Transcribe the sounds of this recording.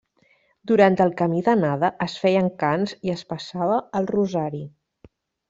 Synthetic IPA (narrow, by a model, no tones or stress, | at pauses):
d̪uɾant̪əlˠkəmiðənaðəʔəsfɛjəŋkanziəspəsaβəːlˠruzaɾi